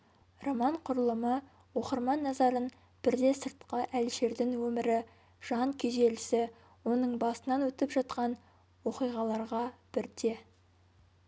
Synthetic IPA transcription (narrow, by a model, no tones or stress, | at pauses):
romɑɴqʰʊɾəlˠəmə | wo̞qəɾmɑnːɑzɑɾən | b̥ɪɾd̪e̞səɾt̪qəʔælʃe̞ɾd̪ɪŋwɵmɪɾɪ | ʒ̥ɑŋkʲʰeze̞lɪsɪ | wo̞nəɴbɑsənɑnwɵt̪ɪpʒɑt̪̚qɑn | wo̞qijʁɑlˠɑɾʁɑb̥ɪɾd̪e̞